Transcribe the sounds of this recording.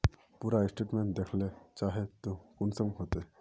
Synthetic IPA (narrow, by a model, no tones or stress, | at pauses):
puːɾaɪsʈeːʈmẽɳʈ̚d̪ekʰlet͡ʃaːɦet̪okʊnsəmɦoːt̪e